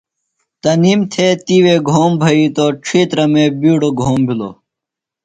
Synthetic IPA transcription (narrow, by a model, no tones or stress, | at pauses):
t̪ɐniːmt̪ʰeːt̪iːweːɡʱoːmbʱɐit̪oːʈ͡ʂʰiːt̪ɾɐmeːbiːɽoɡʱoːmbʱilo̰ː